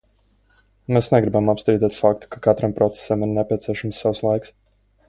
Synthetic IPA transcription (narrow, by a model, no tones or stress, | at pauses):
meːsneɡɾibamapst̪ɾiːd̪ɛt̪fakt̪u̥kakat̪ɾampɾɔt̪se̥samiɾnepʲiɛt̪siɛʃamsːawslˠajks